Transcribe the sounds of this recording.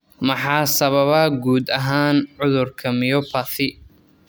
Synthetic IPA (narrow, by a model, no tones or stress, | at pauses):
mɐħɑːsɐβɐβɐɡuːd̪ɐɦaːnʕʊðʊrkʰɐmɪjɔpʰɐθɪ